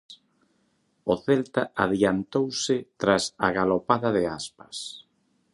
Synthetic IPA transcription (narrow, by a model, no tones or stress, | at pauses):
ʊθɛlt̪aaðiant̪owsɪt̪ɾasa̰ɣalopaðaðɪaspɐ̥s